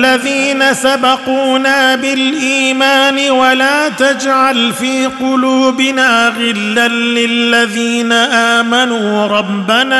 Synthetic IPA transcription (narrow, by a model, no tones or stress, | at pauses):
aðiːnasabɑquːnaːbɪlʔiːmaːnɪwalaːt̪ad͡ʒʕalfiːqʊluːbɪnaːɣɪlːanlɪlːaðiːnaʔaːmanuːɾˤɑbːanaː